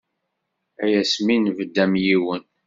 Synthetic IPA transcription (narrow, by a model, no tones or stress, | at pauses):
æjæsminvəd̪ːæmjiwən